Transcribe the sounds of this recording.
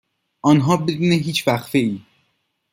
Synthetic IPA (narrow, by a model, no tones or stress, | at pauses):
ʔɒnɦɒːbe̞d̪uːneɦiːt͡ʃʰvæxfe̞ʔiː